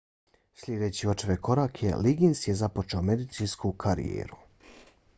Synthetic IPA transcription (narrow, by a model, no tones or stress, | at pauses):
slʲed̪et͡ɕiot͡ʃeʋeko̞ɾaːkʰe̞̰liɡinsje̞zapo̞t͡ʃeome̞d̪it̪siːnskukʰaɾḭjḛːɾu̥